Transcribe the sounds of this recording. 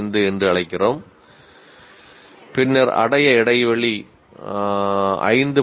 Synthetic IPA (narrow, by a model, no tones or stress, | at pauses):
nd̪ɯɛndrɯɐɭɐɪkːɪroːm | pɪnːɐɾɐ̰ɽɐjɐɛɽɐɪʋɐɭi | ɐ̰ɪnd̪ɯ